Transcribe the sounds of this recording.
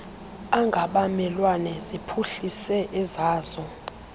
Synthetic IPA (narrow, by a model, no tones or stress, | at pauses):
aŋɡʱaɓamɛlwanɛzipʰuɬisɛʔɛzaːzɔ